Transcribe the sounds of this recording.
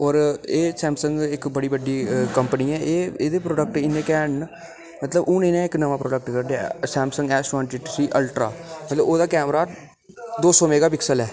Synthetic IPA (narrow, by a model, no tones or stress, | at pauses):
ɔːɾeːsɛːmsə̃ŋɡɪkbəɽiːbəɖiːkəmpəniːɛːʔeːeːd̪eːpɾoːɖək̚ʈɪnẽːkɛːɳ | mət̪ləbʊ̃ːnẽːnãːɪknəʋãːpɾoːɖək̚ʈkəɾɖa̰sɛːmsə̃ŋɡɛːsʈʋãːnʈɪʈsiːʔəlʈɾa̰ːmət̪ləboːd̪aːkɛːmɾaː | d̪oːsɔːmeːɡaːpɪksəlɛː